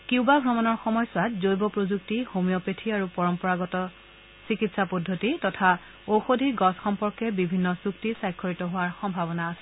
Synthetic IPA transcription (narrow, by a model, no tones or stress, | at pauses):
kiʊbabʱɹɔmanɔɹxɔmɔjsʊatzojbɔpɹozuktihomijɔpetʰiaɹupɔɹɔmpɔɹaɡɔtɔ | sikitsapɔdʱːotitɔtʰa | oxodʱiɡɔsxɔmpɔɹkɛbibʱinːɔsuktisajkʰːoɹitɔɦʊwaɹxɔmbʱabɔnaːsɛ̥